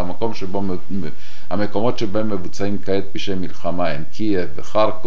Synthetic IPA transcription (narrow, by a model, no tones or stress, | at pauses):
amako̞mʃebo | hameko̞mo̞t̪ʃebahemːevut͡saimkaet̪̚biʃemːilχamaemkʰievːeχaʁk